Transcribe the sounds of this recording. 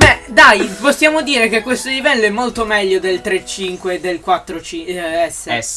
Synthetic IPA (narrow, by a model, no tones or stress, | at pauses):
bɛd̪ajposːjaːmod̪iːɾek̟ekːwest̪olivɛlːoɛmːolt̪omɛʎːod̪elt̪ɾet͡ʃːiŋkweːd̪ːelkwat̪ːɾot͡ʃiɛsːe